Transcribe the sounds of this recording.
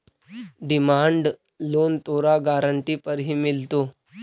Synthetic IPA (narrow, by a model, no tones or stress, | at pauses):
ɖimaɳɖ | lont̪oɾaɡaɾəɳʈipəɾɦiːmilt̪o